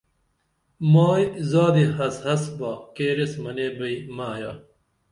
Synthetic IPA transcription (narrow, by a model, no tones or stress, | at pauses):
maːjzaːd̪ihɐshɐsbakeːɾesmɐneːbɐimaːja̰ː